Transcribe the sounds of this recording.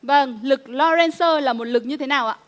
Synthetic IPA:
və˧˩ŋlɨ˨˩k̚lɔ˧zɛ˧nsəː˧laː˨˩mo˨˩t̚lɨ˨˩k̚ɲɨ˧t̪ʰe˨˦naː˨˩wʔa̰ː˨

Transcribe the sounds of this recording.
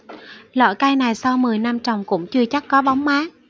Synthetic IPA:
lɔ̰˧˩jkaː˧jna˨˩jsa˧wmɨ˨˩əjna˧mt͡ɕɔ˨˩wŋ͡mkʊ̰˧˥ŋ͡mt͡ɕɨ˧ət͡ɕa˦˥t̚kɔ˨˦ɓa˨˦wŋ͡mmaː˨˦

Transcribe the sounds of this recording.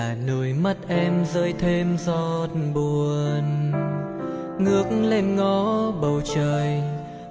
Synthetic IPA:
a˨˩no˧˨˩jmə˦˥t̚ʔɛ˧mzəː˨˦jt̪ʰe˧mzɔ˦˥t̚ɓu˨˩ən | ŋɨ˦˧˥ək̚ŋ̩le˧nŋɔ˨˧˦ɓə˨˩wt͡ɕəː˨˩j

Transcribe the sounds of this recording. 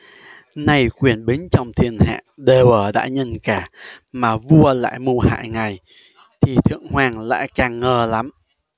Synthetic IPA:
na˧jkwi˨˩ənɓï˨˦ŋ̟t͡ɕɔ˧wŋ͡mt̪ʰi˧˩ənha̰ː˧˨ɗe˨˩wəː˧˩ɗa̰ː˧˥ɲə˧˩nkaː˧˩maː˨˩vu˧əla̰ː˧˨jmu˧ha̰ː˧˨jŋa˨˩j | t̪ʰi˨˩t̪ʰɨ̰˧˨əŋhwaː˧ŋla̰ː˧˥kaː˨˩ŋːəː˧˩la˨˦m

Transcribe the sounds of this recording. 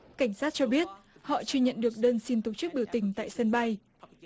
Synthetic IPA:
ka˧˩jŋ̟saː˦˥t̚t͡ɕɔ˧ɓi˦˥ət̚hɔ̰˧˨t͡ɕɨ˧əɲə̰˧˨nɗɨ˨˩ək̚ɗəː˧nsi˧nt̪o˨˩t͡ɕɨ˦˥k̚ɓi˧˩əwt̪ï˨˩ŋ̟t̪a̰ː˧˨jsə˧nɓa˧j

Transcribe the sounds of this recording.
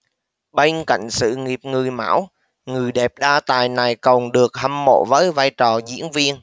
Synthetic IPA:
ɓe˧n̟ka̰˧˨jŋ̟sɨ̰˧˨ŋi˨˩əp̚ŋɨ˨˩jma̰ː˧˥w | ŋɨ˨˩əjɗɛ˨˩p̚ɗaː˧t̪aː˨˩jna˨˩jkə˨˩wŋ͡mɗɨ˨˩ək̚ha˧mːo̰˧˨vəː˨˦jvaː˧jt͡ɕɔ˨˩zḭ˧˥ənvi˧ən

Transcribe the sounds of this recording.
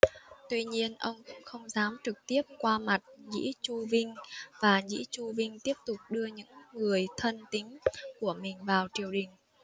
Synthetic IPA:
t̪wi˧ɲi˧ənʔə˧wŋ͡mkʊ̰˧˥ŋ͡mxə˧wŋ͡mzaː˨˦mt͡ɕɨ˨˩k̚t̪i˦˥əp̚kwaː˧ma˨˩t̚ɲḭ˧˥t͡ɕu˧vi˧ŋ̟vaː˨˩zḭ˧˥t͡ɕu˧vï˧ŋ̟t̪i˦˥əp̚t̪ʊ˨˩k͡p̚ɗɨ˧əɲɨ̰˧˥ŋːɨ˨˩əjt̪ʰə˧nt̪ï˨˦ŋ̟ku˧˩əmï˨˩ŋ̟vaː˨˩wt͡ɕi˨˩əwɗï˨˩ŋ̟

